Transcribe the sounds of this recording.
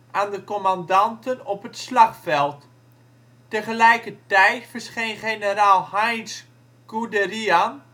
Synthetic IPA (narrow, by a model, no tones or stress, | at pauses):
ʔaːndəkɔmandɑntənɔpətslɑχfɛlˠt | təχəlɛjkətɛjtfərsχejnχenəɾaːlˠhajns | ɡ̥udərian